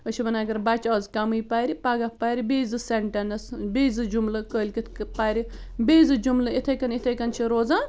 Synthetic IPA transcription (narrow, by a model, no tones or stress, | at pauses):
ət͡ʃʰibɐnaɡɐɾbɐt͡ʃaːzkɐmɨjpajɾipaɡɐpajɾibeːzɨseɳʈɐnɐsbeːzɨd͡ʒumlɨkəːlʲkit̪ʰpaɾi | beːzɨd͡ʒumlɨit̪ʰɐjkɐnit̪ʰɐjkɐnt͡ʃʰiɾoːzãː